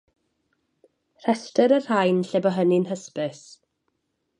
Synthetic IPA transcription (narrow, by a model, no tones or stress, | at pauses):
r̥ɛstəɾər̥hajnɬɛbɔɦəninɦəspɪs